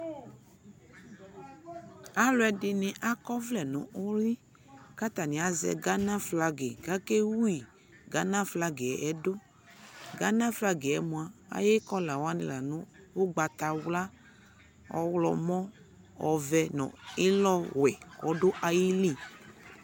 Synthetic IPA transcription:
a˦lʊ˦ɛ˨dɪ˨nɪ̃˨ʔa˦kɔ˦vlɛ˨nɔ̃˨ʔɔ˦li˦ | ka˦t̪a˨nĩ˨a˨zɛ̰˨ɡa˦nã˦fla˨ɡe˨ɡa˦ke˦wu˦i˨ | ɡa˦nã˦fla˦ɡe˨ɛ˨ʔɛ˦do˦ | ɡa˦nã˦fla˦ɡe˨ɛ˨˦mũ˨a˨a̰˨je˦kɔ˦la˨wa˦nɪ̰̃˨la˨nʊ̃˦ | wo˦ɡ͡ba˨t̪a˨wla˦ | ɔ̰˦wlɔ̰˨mɔ̃˦ | ɔ˨vɛ˨nɔ̰̃˨ɪ˦lɔ˦wɛ˨wɔ˨do˦ʔa˨ji˦li˦˨

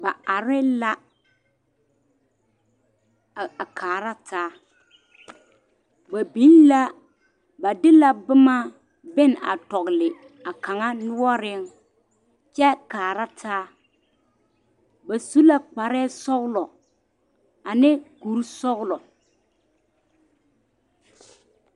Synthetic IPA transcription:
ba˨a˨ɾɪ˦la˦˨ | a˨kʰaː˨ɾa˦tʰaː˦ | ba˨bi˨˦nla˦ | ba˨dɪ˦la˦bɪ˦ma˦ | bɪ˦n˨a˨tɔ˨ɣlɪ˨ | a˨ka˨ŋa˦nʊ˦wɔ˦ɾɪ˦ŋ | t͡ʃɛ˦kaː˨ɾa˦tʰaː˦ | ba˨su˦la˦k͡pa˨ɾɛː˦sɔ˦ɣlɔ˨ | a˨nɪ˦ku˨˦ɾsɔ˦ɣlɔ˨

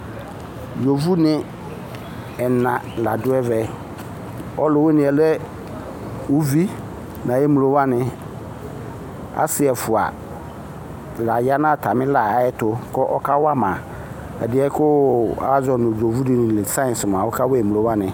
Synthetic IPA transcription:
jo˨vu˦nɪ̃˦ | ɛ˨nã˨la˨dʊ˦ɛ˦vɛ˨ | ɔ˦lʊ˨wʊ˦nɪ̃˨ɛ˨lɛ˦ | ʊ˦vi˦ | nã˨je˦mu˨lo˦wa˦nɪ̃˨ | a̰˦sɪ˦ɛ˨fʊ˨a̰˨ | la˨ja˦nã˦˨tʰa˨mɪ̃˦la˨a˨˦ɛ˦tʊ˦kɔ˦ʔɔ˦kʰa˦wa˦mã˨ | ɛ̰˨dɪ˨˦ɛ˦kʊ˦a̰˨˦zɔ˨nʊ̃˨d͡ʒo˨vu˦dɪ˨nɪ̃˨lɪ˨sã˦˨n˨sɪ˨m˨ã˨wʊ˦kʰa˦wɛ˦ɛ˨mu˨o˦wa˦nɪ̃˨

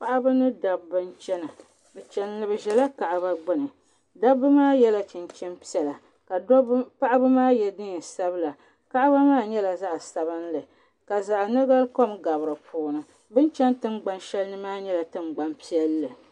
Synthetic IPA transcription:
pa˦ʔa˦bɨ˦nɨ˦da˨bːɨ˦nt͡ʃɛ˦na˨ | bɛ˨t͡ʃɛ˦nlɨ˨bɨ˨ʒɛ˨la˦ka˨ʔa˨ba˦ɡ͡bɨ˦nɨ˨ | da˦bːɨ˦maː˦jɛ˦la˦t͡ʃɨ˨nt͡ʃɛ˦mpi˦ɛ˨la˨ | ka˨˦pa˦ʔa˦bɨ˦maː˦jɛ˦dɨ˦˨sa˦bɨ˦la˨ | ka˦ʔa˦ba˦maː˦˨ɲɛ˦la˨za˦ʔsa˨βɨ˦nlɨ˨ | ka˨za˨ʔnɨ˦ɡa˦lko˦mɡa˨bɨ˨ɾɨ˨pʰuː˦nɨ˨ | bɨ˦nt͡ʃɛ˦ntɨ˦ŋɡ͡ba˦nʃɛ˦lnɨ˦maː˦ɲɛ˦la˨tɨ˦mɡ͡ba˦mpi˦ɛ˦lːɨ˨

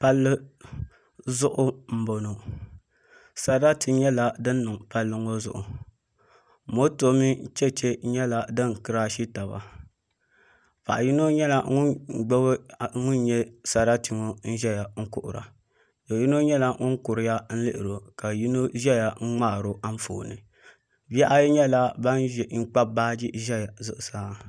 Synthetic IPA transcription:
pa˦lːɨ˦ | zʊ˦ʔʊ˦m̩˦bo˨no˨ | sa˦ɾa˦ti˨ɲɛ˦la˦dɨ˦nː˦ɨ˨ŋpa˦lːɨ˦ŋo˦zʊ̰˦ʔʊ̰˨ | mo˦to˦mi˦t͡ʃɛ˦t͡ʃe˦ɲɛ˦la˨dɨ˦ŋkɨ˦ɾa˦ʃi˦ta˨ba̰˨ | pa̰˨ʔa˨ji˦no˦ɲɛ˦la˦ŋu˦˨ɡ͡bɛ˦bŋu˦n˦ɲɛ˦sa˨ɾa˦ti˨ŋo˦n̩˦ʒɛ˦ja˨ŋ̩˦kʊ̰˨ʔʊ̰˨ɾa̰˨ | do˨ji˦no˦ɲɛ˦la˦ŋu˦ŋ˦kʊ˨ɾɪ˨ja˦n̩˦lɨ̰˦ʔɪ˨ɾo˨ka˨ji˦no˦ʒɛ˦ja˨ŋ̩˦ŋ͡maː˦˨ɾo˨ʔa˦ɱ˦fo̰ː˨nɨ˨ | bɛ˦ʔa˦jɲɛ˦la˦ba˦n˦˨ŋ̩˦k͡pa˦baː˦d͡ʒi˦ʒɛ˦ja˨zʊ̰˦ʔʊ˨saː˦

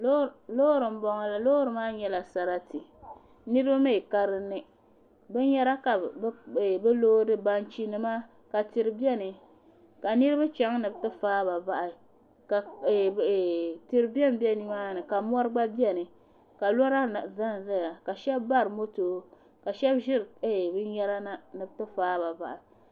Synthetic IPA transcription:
lo˦ɾɨ˨m̩˦bɔ˨ŋa˨la˨lo˦ɾɨ˨maː˦ɲɛ˦la˨sa˨ɾa˦ti˨ | nɨ˦ɾɨ˦ba˦ma˦i˨ka˦ɾɨ˦nːɨ˦ | bɨ˦nɲɛ˦la˦ka˨˦˨ | bɛ˦loː˦dɨ˦ba˦nt͡ʃi˦nɨ˦ma˦ | ka˨ti˨ɾɨ˨bi˦ɛ˦nɨ˨ | ka˨nɨ˦ɾɨ˦ba˦t͡ʃɛ˨ŋ˦nɨ˨btɨ˦faː˦ba˨ba˨ʔa˨ | ka˨ | ti˦ɾɨ˦bi˦ɛ˦mbɛ˦ni˦maː˦nɨ˨ka˨m˦ɔ˦ɾɨ˦ɡ͡ba˦bi˦ɛ˦nɨ˨ | ka˨lɔ˦ɾa˦˨za˦n˨za˦ja˨ka˨ʃɛ˦bba˦ɾɨ˨mo˦toː˨ | ka˨ʃɛ˦bʒɪ˦ɾe˦˨bɨ˦n˦jɛ˦ɾa˦na˦nɨ˨btɨ˦faː˦ba˨ba˨ʔa˨

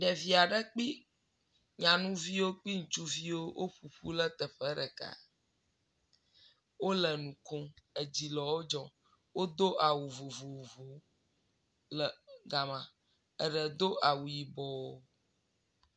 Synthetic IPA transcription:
ɖɛ˨vi˨a˨ɖə˦k͡pi˦ | ɲã˨nũ˦vi˦wo˦k͡pi˦ŋũ˨t͡ʃu˦vi˦wo˦wʔo˦ɸu˨ɸu˦lə˦t̪ə˨ɸə˦ɖə˨ka̰˨ | wo˦lə˨nũ˨ko˦ə˨d͡ʑi˨lɔ˨wo˦d͡ʒɔ˨ | wo˦d̪o˦ʔa˨wu˨vo˨vo˨vo˨ | lə˨ɡa˨mã˨ | ə˨ɖə˨d̪o˦ʔa˨wu˨ji˨bɔ˨o˦

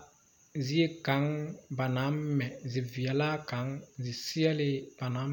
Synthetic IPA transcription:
zi˦e˦ka˨˦ŋba˨na˨˦mː˦ɛ˨zi˨vi˨a˨la˦ka˨˦ŋzi˨si˦ɛ˦lɪ˦b̥a˨na˨˦m

